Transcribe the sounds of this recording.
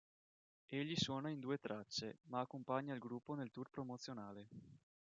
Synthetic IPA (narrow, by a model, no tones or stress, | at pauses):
eʎːiswɔːnaind̪uːet̪ɾʔat͡ʃːemaːkːompaɲːailɡɾupːonelt̪uːrpɾomot̪sːjonaːle